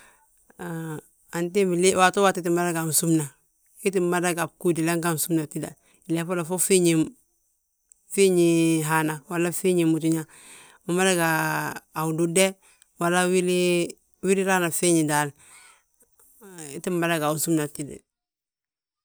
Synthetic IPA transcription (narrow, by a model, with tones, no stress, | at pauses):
a˨nt̬i˦mi˨le˦wa˨to˦wa˦ti˦t̬i˦ma˦da˦ɡa˨u˨su˦mna˨ | i˦t̬i˦ma˦da˦ɡa˨b̚ku˦di˨la˦ŋɡa˦n˨su˦mna˨ti˦da̰˨ | i˨le˨fo˦la˨fo˦fi˦ɲi˨m | fi˦ɲi˨ɦa˨na˨wa˨la˦fi˦ɲi˨mu˨t̬u˨ɲa˦ | mu˨ma˦da˦ɡaː˨ | u˨du˦de˦ | wa˨la˦wi˦li˦ | wi˦ɾi˦ɾa˦na˨fi˦ɲi˨da˨l | i˦ti˦mma˨da˦ɡa˨u˨su˦mna˨ti˦da̰˨